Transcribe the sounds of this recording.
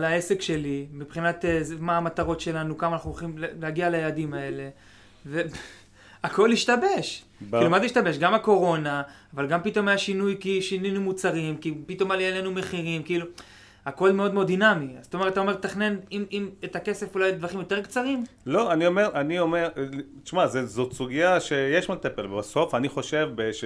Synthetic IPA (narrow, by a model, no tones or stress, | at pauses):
lae̞se̞kʃe̞limipχinat̪ezmaːmat̪aʁo̞tʃe̞lanukamanaχnuuχimlleaɡialajeladimae̞le̞ | ve | ako̞liʃtabe̞ʃ | kkilumazeiʃt̪abe̞ʃɡamako̞ʁo̞naː | valɡampito̞majaʃinujkiʃininumut͡saʁimkipito̞maljelenume̞χiʁimkiilu | ako̞lmeo̞d̪meo̞d̪inamiazotometat̪̬aome̞t̪ːaχne̞nimimet̪ake̞se̞fulajd̪vaχimjo̞t̪e̞ʁkt͡saʁim | lo̞aniome̞ʁʔanio̞me̞ʁ | ʃmazezot̪suɡijaʃejeʃmat̪epelbaso̞faniχo̞ʃe̞vbeʃ